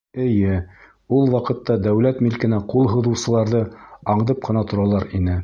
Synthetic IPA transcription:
ɘ̆jɘ | ulˠwɑqɤ̆t̪ːɑd̪æwlæt̪milkɘ̆næqulˠɦɤ̆ðŭwsɤ̆lˠɑɾðɤɑɴd̪ɤp̚qɤ̆nɑt̪ŏɾɑlˠɑɾinɘ

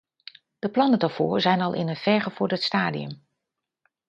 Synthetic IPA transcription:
d̥əplɑnədaɹv̥ʊ̰ːɹzɛjnɑlˠʔɪ̰nənv̥ɛɹχəvʊːɹdətstaːdḭɵ̰m

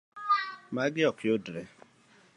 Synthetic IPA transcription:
maɡɪɔkʰodɾɛ

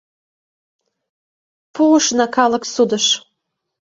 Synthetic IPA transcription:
pʰuuʃnɑkʰɑləksud̪əʃ

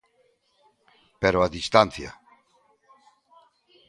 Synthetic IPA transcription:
peɾoaðist̪anθja̰

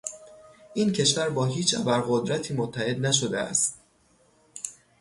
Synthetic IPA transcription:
ʔiːncʰe̞ʃvæɾbɒːɦiːt͡ʃʰæ̰bæɾɣo̞d̪ɾæt̪ʰiːmot̪ʰːæhe̞d̪næʃ̬od̪eæ̰st̪

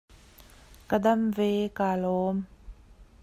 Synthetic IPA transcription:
kədɐmvɛːkaːlɔːm

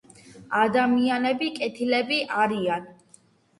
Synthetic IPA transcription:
ad̪amianɛbikʼɛt̪ʰilɛbiʔaɾian

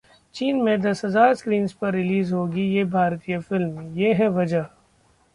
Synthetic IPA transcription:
t͡ʃiːnmẽd̪ɐsɦɐzaːɾskɾiːnspɐɾːɪliːzɦoːɡijeːbʱaːɾt̪ijəfɪlmjeːɦɛʋɐd͡ʒəɦ

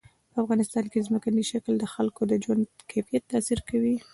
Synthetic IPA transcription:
pəafɣɑnɪst̪ɑnkezməkaniʃakld̪əxalkod̪əd͡ʒwand̪kʰafijat̪ːɑsiɾkawi

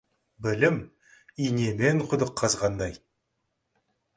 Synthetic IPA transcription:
bɪlɪm | ijneme̞ɴqʰʊd̪əqʰːɑzʁɑnd̪ɑj

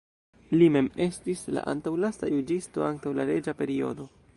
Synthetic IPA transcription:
lime̞me̞stisla̰ʔa̰ntawlastajud͡ʒisto̞aŋktawlaɾe̞d͡ʒape̞ɾio̞̰do̞

